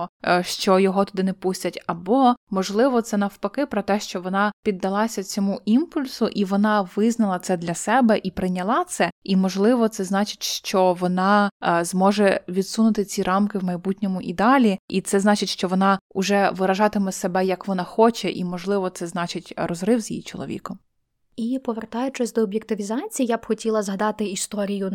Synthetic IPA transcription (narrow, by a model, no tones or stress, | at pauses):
ʃt͡ʃɔjɔɦɔt̪ʊd̪ɪnɛpusʲtʲɐtʲɐbɔmɔʒlˠɪʋɔt̪sɛnɐwpɐkɪpɾɔt̪ɛʃt͡ʃɔʋɔnɑpʲid̪ːɐlˠɑsʲɐt͡sʲɔmuʔimpʊlʲsʊʔiʋɔnɑʋɪznɐlˠɐt̪sɛd̪lʲɐsɛbɛʔipɾɪnʲɐlˠɑt̪sɛimɔʒlˠɪʋɔt̪sɛznɑt͡ʃɪ̥tʲʃt͡ʃɔʋɔnɑzmɔʒɛʋʲid̪sunʊt̪ɪt͡sʲiɾʔɑmkɪwmɐjbutʲnʲɔmʊʔid̪ɑlʲiʔit̪sɛznɑt͡ʃɪtʲʃt͡ʃɔʋɔnɑʊʒɛʋɪɾɐʒɑt̪ɪmɛsebɛjɐkʋɔnɑxɔt͡ʃɛʔimɔʒlˠɪʋɔt̪sɛznɑt͡ʃɪtʲrɔzɾɪwzʲjḭjit͡ʃɔ̰lˠɔ̰ʋʲḭkɔm | ipɔʋert̪ɑjʊt͡ʃɪsʲd̪ɔːbʲjekt̪ɪʋʲizɑt͡sʲijijabxɔtʲilˠɐzɦɐd̪ɑt̪ɪist̪ɔɾʲijʊ